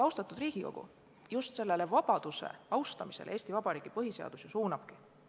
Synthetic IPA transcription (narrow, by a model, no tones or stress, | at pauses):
ɑwst̪ɑt̪ːˑud̪riːɡ̥iko̞ɡ̥ṵ | just̪se̞lːe̞levɑb̥ɑd̪̥use̞̰ɑwst̪ɑmisel̰e̞ːsʲt̪ivɑb̥ɑɾiːɡ̥ipɤɦise̞ɑ̰d̪̥usjɑsuːnɑb̥ki